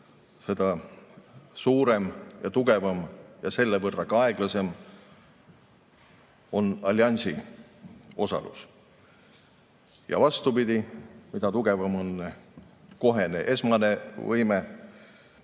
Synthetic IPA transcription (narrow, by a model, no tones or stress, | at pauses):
se̞d̪̥ɑ | suːɾe̞mjɑt̪uɡ̥e̞vɑmjɑse̞lːevɤrːɑkɑɑe̞ɡ̥lɑse̞m | o̞nɑlʲːjɑnʲsi | o̞sɑ̰lṵs | jɑ̰vɑst̪upid̪̥ʲimid̪ɑt̪uɡ̥e̞vɑmo̞nːeko̞ɦe̞neʔe̞smɑne̞vɤjme